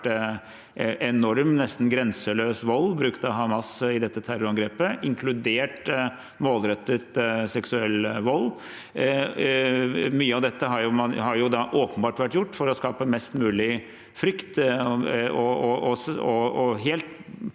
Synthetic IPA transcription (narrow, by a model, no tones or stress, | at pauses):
ʔɛnɔɾmnɛst̪n̩ɡɾɛnsəløːsʋɔlːbɾʉkt̪ɑʋhɑmɑsɪd̪ɛt̪ːət̪ʰæɾʊɾɑŋɡɾeːpəʔɪŋkʰlʉd̪eːʈ | moːlɾɛt̪ːət̪sɛksʉɛlːʋɔlː | myːəɑʋd̪ɛt̪ːəɦɑɾjʊmɑhɑɾjʊd̪ɑʔoːpənbɑːʈʋæʈjʊʈːfɔɾɔskɑːpəmɛst̪mʉːlɪ | fɾʏkt̪ | ɔɔɔɔɔɦeːlt̪